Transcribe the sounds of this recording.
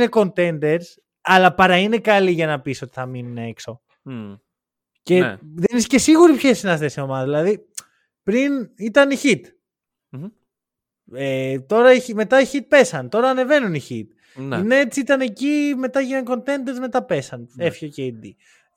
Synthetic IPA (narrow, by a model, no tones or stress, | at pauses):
neko̞nt̪e̞nd̪e̞ɾs | ɐlɐpɐɾɐinekɐliʝɐnɐpiso̞t̪i̥θɐminuneekso | ce̞ðenisce̞siɣuɾipçesinɐsθesiomɐðɐðilɐði | pɾinit̪ɐniçit̪ | et̪o̞ɾɐime̞t̪ɐiçit̪̚pe̞sɐnt̪o̞ɾɐːne̞ve̞nuniçit̪̚ | nineet͡siit̪ɐne̞cime̞t̪ɐʝinɐŋko̞nt̪e̞nd̪eɾzme̞t̪ɐpe̞sɐne̞fçocejd̪i